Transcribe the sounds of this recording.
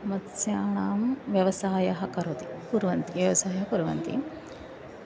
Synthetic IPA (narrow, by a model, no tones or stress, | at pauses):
mɐt̪sjaːɳaːmʋjɐʋɐsaːjɐɦɐkɐɾot̪ipuɾʋɐnt̪iʋjɐʋɐsaːjɐɦɐpuɾɐʋɐ̰nt̪ḭ